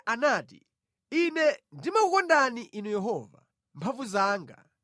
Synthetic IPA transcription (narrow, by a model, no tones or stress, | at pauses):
ʔanaːtḭ | inɛndimakukɔndaniʔinujɛɦɔːva̰ | mpʰaɱvuzaːŋɡa̰